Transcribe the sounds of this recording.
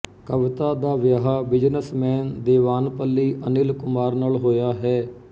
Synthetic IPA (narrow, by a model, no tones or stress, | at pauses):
kəʋɪt̪aːd̪aːʋjaːɦaːbɪd͡ʒnəsmɛːnd̪eːʋaːnpəlːiːʔənɪlkʊmaːɾnaːlɦoːjaːɦɛː